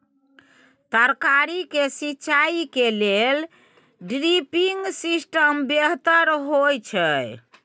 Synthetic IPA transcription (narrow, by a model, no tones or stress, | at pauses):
t̪əɾkaɾikesitːt͡ʃaikelel | ɖɾipiŋɡsisʈəmbeɦt̪əɾɦojt͡ʃʰəj